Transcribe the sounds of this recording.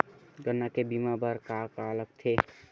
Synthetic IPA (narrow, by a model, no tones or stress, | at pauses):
ɡənːakebimabəɾkakalək̚t̪ʰe